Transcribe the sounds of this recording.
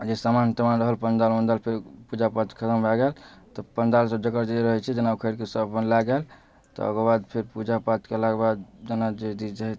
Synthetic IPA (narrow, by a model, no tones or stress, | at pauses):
d͡ʒesamant̪əmanɾəɦəlpənd̪almənd̪alpʰeɾpud͡ʒapat̪kʰət̪əmbʱaɡelt̪ɔpənd̪alsəbd͡ʒəkəɾd͡ʒeiɾəɦɛt͡ʃʰɛd͡ʒənabkʰəɾkesəbpənlaɡel | t̪ɔ̰ə̰ɡəbad̪pʰeɾpud͡ʒapat̪keəlaɡbad̪d͡ʒənad͡ʒed̪id͡ʒeɦ